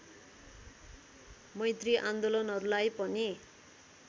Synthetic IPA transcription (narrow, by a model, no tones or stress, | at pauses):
mʌjt̪riʔand̪olʌnɦʌɾulajpʌni